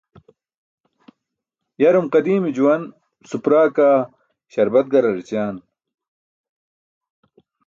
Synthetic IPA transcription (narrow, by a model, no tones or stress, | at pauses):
jɐɾumqɐd̪iːmid͡ʑuwɐn | supɾaːkaː | ɕɐɾbɐt̪̚ɡɐɾɐɾit͡ɕaːn